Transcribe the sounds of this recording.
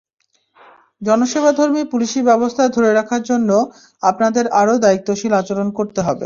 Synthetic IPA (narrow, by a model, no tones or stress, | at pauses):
d͡ʑɔnoʃebad̪ʱoɾmipuliʃibɛbost̪ʰad̪ʱoɾeɾakʰaɾd͡ʑonːo | apnad̪eɾaɾod̪aik̚t̪ːoʃilat͡ɕoɾonkoɾt̪eɦɔbḛ